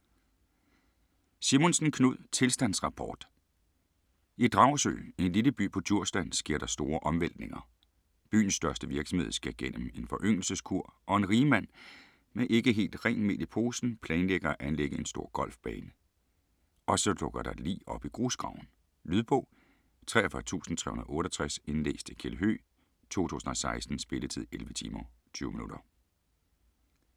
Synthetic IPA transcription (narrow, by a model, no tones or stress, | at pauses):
simo̝nsn̩kʰnuð̰ˠt͡sʰe̝lsd̥æn̰sʁɑ̈pʰɒ̰ːd̥ | id̥ʁɑ̈ʊsø̰ːe̝nleləb̥y̰ːpʰɒ̽t͡sʰuɐ̰sd̥ænsɡ̥iɐ̰ɾ̥ɑ̈sd̥o̝ːɐʔɒ̽mʋel̰d̥ne̝ŋɐ | b̥y̰ːn̩sːd̥ɶɐsd̥əʋiɐɡ̥sɒ̽mhe̝ð̞ˠsɡ̥æɐɡ̥en̰əme̝nfɒ̽ʔøŋ̰l̩səskʰuɐ̰ʔɒ̽e̝nʁiːmæn̰ | meʔe̝ɡ̥əɦe̝̰ːld̥ʁɛŋnme̝̰lipʰo̝ːsn̩pʰlɛːnleɡ̥ɐæʔænleɡ̥əe̝nsd̥o̝ɐ̰ɡ̥ɒ̽l̰fb̥ɛ̰ːnə | ʔɒ̽sɒ̽d̥ɔ̽ɡ̥ɐɾ̥ɑ̈lḭːɒ̽b̥iɡ̥ʁo̝ːsɡ̥ʁɑ̈ʊ̰n̩ | lyðˠb̥ɔʊ̰ | t͡sʰʁɛ̰ːɐfɶɐt͡sʰṵːsn̩t͡sʰʁɛ̰hunɐðˠɔ̽ːɾɒt͡sʰʁase̝nlḛːsd̥ʰekʰeləɦø̰ː | t͡sʰo̝̰ːt͡sʰṵːsn̩ɒ̽sɑ̈ɪsd̥n̩sb̥e̝lət͡sʰið̰ˠelʋət͡sʰḭːmɐ | t͡sʰyːʊminud̥ɐ